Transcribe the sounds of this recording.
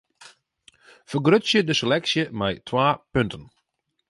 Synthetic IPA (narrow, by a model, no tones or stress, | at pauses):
fərɡrøtsjədəselɛksjəmɛjtʰwaːpøntʰən